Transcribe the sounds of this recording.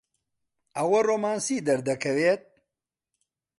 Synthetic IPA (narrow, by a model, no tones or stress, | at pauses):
ɐwɐroːmaːnsiːd̪ɐɾd̪ɐkʰɐveːt̪̚